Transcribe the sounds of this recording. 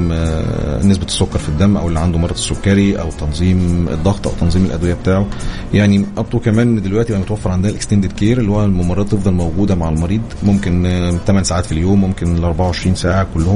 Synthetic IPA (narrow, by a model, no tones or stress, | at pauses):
nes̬bæt̪sːokːɑɾˤfid̪ːæmːʔæ̰wʔelːiʕand̪omɑrˤːɑsːokːæɾiʔæ̰wt̪ːɑnzˤiːmḛd̪ˤːɑɣt̪ˤʔæ̰wt̪ɑnzˤiːmelʔæ̰d̪wejæbet̪aːʕo | jaʕniʔɑb̚t̪ˤukæmæːnd̪elwæʔ̪ijeʔæmot̪æwæfːeɾʕand̪ænælʔekst̪ænd̪ed̪keːɾelːihoælmomɑɾˤːɑːt̪ːˤefd̪ˤɑlmæwɡuːd̪æmaʕelmɑɾiːd̪ˤmomkent̪æmænsaːʕaːt̪filjoːmːomkenleʔɑɾˤbaʕawʕeʃɾiːnsaːʕakolːohom